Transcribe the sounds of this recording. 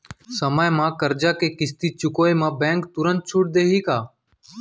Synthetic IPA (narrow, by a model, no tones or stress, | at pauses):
səmaːjmãːkəɾd͡ʒaːkeːkɪst̪iːt͡ʃʊkoːeːmãːbɛ̃ːŋk̚t̪ʊɾənt̪̚t͡ʃʰuːʈ̚d̪eːɦiːkaː